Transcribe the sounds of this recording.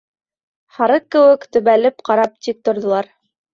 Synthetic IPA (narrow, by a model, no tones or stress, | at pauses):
hɑɾɤq̚kːɘ̆wɘkt̪ɵ̆βælɘpqɑɾɑp̚t̪ip̚t̪ŏɾðŏlˠɑɾ